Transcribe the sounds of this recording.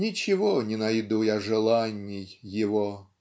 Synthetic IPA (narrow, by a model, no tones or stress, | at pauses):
nʲit͡ʃɪɦɔnʲinɐjd̪ujaʐelˠanʲːijːiʋɔ